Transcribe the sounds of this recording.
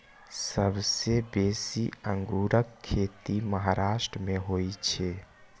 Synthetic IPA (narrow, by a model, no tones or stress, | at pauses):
səbʱsebesiəŋɡuɾəkʰːet̪iməɦaɾaʃʈɾəmeɦojt͡ʃʰe